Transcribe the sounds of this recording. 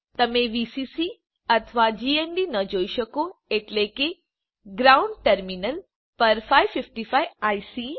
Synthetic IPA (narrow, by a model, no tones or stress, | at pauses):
t̪əmẽʋisisi | ət̪ʰʋad͡ʒienɖinəd͡ʒoiʃəkoeʈleke | ɡɾaũɳɖ̚ʈəɾminəl | pəɾfaiʋfɪfʈifajajsi